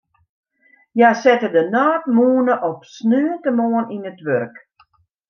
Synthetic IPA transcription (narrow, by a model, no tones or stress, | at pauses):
jasɪtədənaːtmuːənəʔɔpsnøːlˠtəmoəninətʋørk